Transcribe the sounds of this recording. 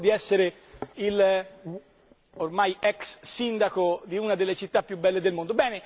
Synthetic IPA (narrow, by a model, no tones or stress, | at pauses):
d̪iɛsːeɾe | il | ormajɛksːind̪akod̪iunad̪elːet͡ʃit̪ːapːjubːɛlːed̪elmond̪obɛːne